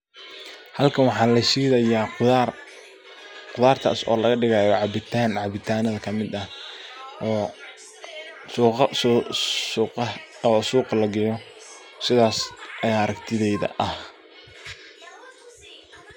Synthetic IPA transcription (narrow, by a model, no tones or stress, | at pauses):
hɐlkʰɐnwɑħɑːlɐʃiːðɐjaː | qʊðaːrt̪ʰa̰ːsɔ̰ːlɐɣɐɖɪɣaːjɔʕɑbɪt̪ʰaːnʕɑβɪt̪ʰaːnɐðɐkʰɐmɪd̪ɐh | ɔː | suːqɐssuːqɑɔsuːqɑlɐɡɛjɔ | sɪðaːsʔɐjaːɾɐkt̪ʰɪðɛjðɐ̰ʔɐh